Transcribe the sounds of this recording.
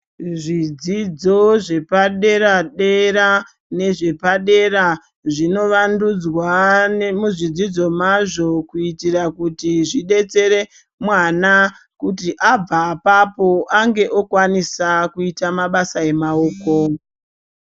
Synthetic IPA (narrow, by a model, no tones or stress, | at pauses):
ʐid͡zid͡zo̞ʐe̞paɗe̞ɾaɗeɾa | ne̞ʐe̞paɗe̞ra | ʐino̞ʋandud͡zwanemuʐid͡zid͡zo̞maʐo̞kuitirakutiʐiɗe̞t͡se̞ɾe̞ | mwana | kutiʔab͡vapapo̞ʔaŋɡe̞ʔokwanisakuitamaɓasae̞maoːko̞